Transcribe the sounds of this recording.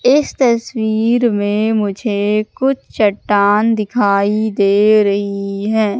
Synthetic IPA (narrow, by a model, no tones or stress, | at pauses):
ɪst̪ɐswiːɾmẽmʊd͡ʒʱekʊt͡ʃʰt͡ʃɐʈːaːnd̪ɪkʰaːid̪eːɾɐɦiɦɛː